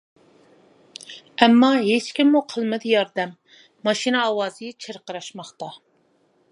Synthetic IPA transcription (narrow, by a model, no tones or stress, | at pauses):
ɛmːɑɦet͡ʃkʲimːuqʰəlˠmɪd̪ɪjɑɾd̪ɛmː | ɑʃinɨɑwɑːzɨɛt͡ʃʰeɾqəɾɑʃmɑχt̪ɑ